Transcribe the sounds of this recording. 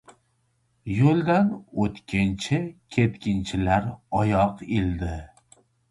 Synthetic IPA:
jolˠd̪anot̪kʲʰɪnt͡ʃʰɪkʲʰe̞t̪kʲʰɪnt͡ʃʰɪlaɾɒjɒqeld̪ɪ

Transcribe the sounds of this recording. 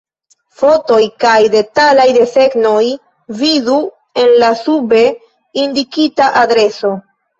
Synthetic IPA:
fo̞to̞jkajde̞talajde̞fe̞kno̞j | vizu | e̞nlasube̞ | indikitaʔadɾe̞so̞

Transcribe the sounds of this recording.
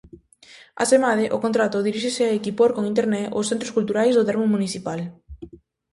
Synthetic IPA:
a̰semaðeʔʊkõnt̪ɾat̪ʊðiɾiʃeseaekipoɾkoŋint̪eɾnɛosθẽnt̪ɾoskult̪uɾajzðot̪ɛɾmumuniθipal

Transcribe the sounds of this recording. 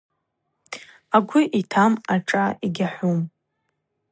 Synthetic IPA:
aɡʷiʔitʰamaʈ͡ʂʼaiɡʲaħʷum

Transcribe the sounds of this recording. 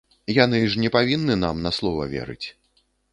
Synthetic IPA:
janɨʂnʲɛpavʲinːɨna̰mnɐslˠɔvɐ̰vʲɛ̰ɾɨ̰t͡sʲ

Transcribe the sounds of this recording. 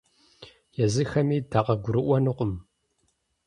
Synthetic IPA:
jɛzɨxɐmiːdʰaːqɐɡʷʊɾɨʔʷɔnɨqʷʊm

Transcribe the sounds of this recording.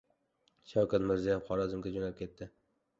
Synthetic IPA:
ʃawkʲat̪mɪɾzijapχɒɾɒzɪmɡʲad͡ʒonalp̚kʲʰe̞t̪ːɪ

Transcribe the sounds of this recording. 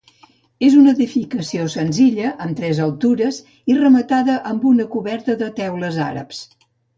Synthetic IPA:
ezunəðifikəsiosənziʎəʔəmt̪ɾɛzəlˠt̪uɾəz | irəmət̪aðəʔəmbunəkuβɛɾt̪əðət̪ɛwləza̰ɾə̰ps

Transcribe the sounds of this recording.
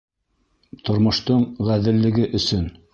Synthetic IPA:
t̪ŏɾmŏʃt̪oɴʁæðɘ̆lːɘ̆ɡɘʔɵ̆sɵn

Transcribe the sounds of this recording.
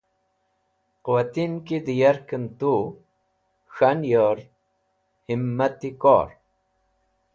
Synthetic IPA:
quwat̪inkid̪ijɐɾkənt̪u | ɕanjoɾ | himːɐt̪iko̰ɾ

